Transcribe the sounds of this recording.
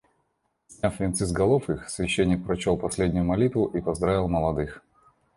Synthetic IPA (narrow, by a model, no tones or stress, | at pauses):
sʲnʲafvʲɪnt̪sɨzɡɐlˠofixsvʲɪɕːenʲːɪk̚pɾɐt͡ɕolˠpɐsʲlʲedʲnʲʊjʊmɐlʲit̪vʊʔipɐzd̪ɾavʲɪlˠməlˠɐd̪ɨx